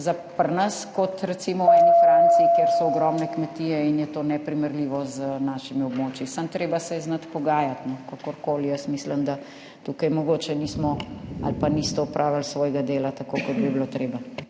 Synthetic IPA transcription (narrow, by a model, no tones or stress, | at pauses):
zapəɾnɐskɔt̪ɾɛt̪siːmɔɛnifɾaːnt̪siːkeːɾsɔːɡɾɔmnɛkmɛt̪iːjɛinjɛt̪oːnɛpɾimɛɾliːʋɔzənaːʃimiɔbmoːt͡ʃjisamt̪ɾeːbasɛɛznɐt̪pɔɡaːjat̪nɔkakoɾkoːlijəsmisləmd̪a | t̪uːkɐjmɔɡoːt͡ʃɛnismɔa̰lpanist̪ɔɔpɾʔaːʋalsʋɔːjɡad̪eːlat̪akokɔd̪̚bibilot̪ɾeːba